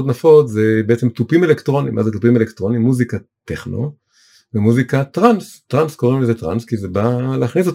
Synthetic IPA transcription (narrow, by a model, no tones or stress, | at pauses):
ot̪nafo̞tze̞beet͡se̞mtupime̞lektʁo̞nḭmʔa̰zet̪upime̞lekt̪ʁo̞nimːuzikat̪eχno̰ | vemuzikat̪ʁanstʁansko̞ʁimlezetʁa̰nskizebaleaχnis̬o̞t